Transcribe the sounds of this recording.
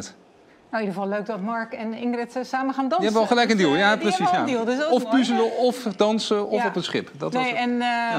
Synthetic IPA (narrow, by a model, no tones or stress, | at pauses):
t | nowidəʁvɑlˠløɥk̚dɑtmɑɹkɛnɪŋɡrɛtsaːməχaːndɑnjəɛbəɑlˠχəlɛjkəndilˠjaprəsisjadilˠdsɔffpysələɔfdɑnsəɔfɔpətsχɪpdɑtnejɛn